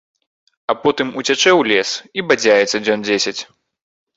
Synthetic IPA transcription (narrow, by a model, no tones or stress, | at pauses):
ɐpɔt̪ɨmut͡sʲat͡ʂɛwlʲɛsibad͡zʲajɛt̪sːɐd͡zʲɔnd͡zʲesʲɐt͡sʲ